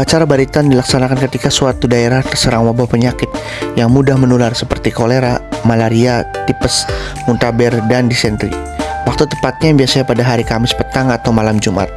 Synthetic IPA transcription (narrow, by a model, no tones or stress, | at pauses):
at͡ʃaɾabaɾit̪andilaksanakankət̪ikasuat̪udaeɾaht̪ərsəɾaŋwabapəɲakɪt̪̚ | jaŋmudahmənularsəpərt̪ikoleɾamalaɾiat̪ipəs | munt̪abɛrdandisɛnt̪ɾḭ | wak̚t̪ut̪əpat̪̚ɲabiasaɲapadaɦaɾikamɪspət̪aŋat̪awmalamd͡ʒumʔa̰t̪̚